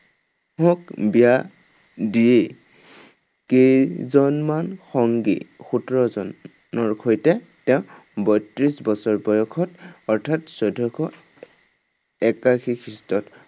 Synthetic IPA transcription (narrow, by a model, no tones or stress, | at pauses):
hɔk̚bija | die | kezɔnmanxɔŋɡḭxutɹɔzɔn | ɔɹkʰojtɛ | tɛʊ̃ | bɔjtɹisbɔsɔɹbɔjɔkʰɔtɔɹtʰatsɔdʱɔkʰɔ | ɛkakʰikʰɹistɔt